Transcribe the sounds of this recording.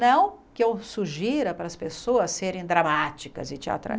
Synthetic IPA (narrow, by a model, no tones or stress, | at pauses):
nɐ̃w̃kɪewsuʒiɾɐpɾɐːspesoɐseɾẽj̃d̪ɾamat͡ʃikɐ̰zɪt͡ʃia̰t̪ɾa̰